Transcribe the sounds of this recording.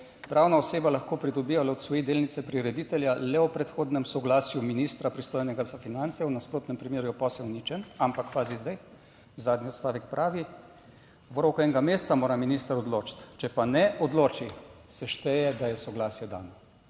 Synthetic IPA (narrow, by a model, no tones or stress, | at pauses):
zd̪ɾawnaɔseːbalaxkoːpɾid̪ɔbiʋalɛɔt̪sʋɔjid̪eːlnit̪sɛpɾiɾɛd̪iːt̪ɛljalɛɔpɾɛt̪xoːd̪nɛmsɔɡlaːsjuminist̪ɾapɾist̪oːjnɛɡazafinant̪sɛwnaspɾoːt̪nɛmpɾimeːɾjupɔsɛwnit͡ʃɛnampakːʋaːzizd̪aj | zaːd̪niɔt̪st̪aːʋɛkpɾʔaːʋi | ʋɾokɛŋɡameːst̪samoːɾaminiːst̪əɾɔd̪loːt͡ʃt̪t͡ʃɛpanɛʔɔd̪loːt͡ʃi | sɛʃt̪ɛjɛd̪ajɛsɔɡlaːsjɛd̪a̰ːnɔ